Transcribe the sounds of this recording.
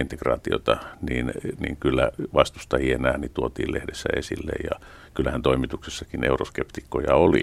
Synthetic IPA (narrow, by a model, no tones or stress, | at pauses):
int̪ekrɑ̰ːt̪io̰t̪ɑniːnnḭːŋkylːæʋɑst̪ust̪ɑjienæːnit̪uot̪ḭːlehdesːæesilːḛjjɑ | kylːæhænt̪oimit̪uksesːɑkinḛuroskept̪ikːojɑoli